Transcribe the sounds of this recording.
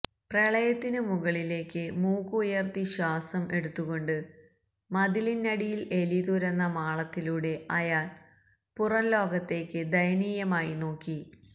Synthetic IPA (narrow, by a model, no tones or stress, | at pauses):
preɭɐjɐt̪ːinɨmuɣɐɭile̞ːkːɨmuːkːuːjɐrt̪iɕaːsɐmʔe̞ɽut̪ːuɣo̞ɳɖɨ | mɐd̪ilinɐɽijile̞liðuɾɐnːɐmaːɭɐt̪ːiluɽe̞ɐjaːɭ | purɐnlo̞ːɡɐt̪ːe̞ːkːɨd̪ɐjniːjɐmaːjino̞ːkːi